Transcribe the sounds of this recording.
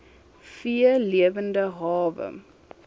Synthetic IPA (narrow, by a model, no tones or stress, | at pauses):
fiəliəvəndəɦɑːvə̰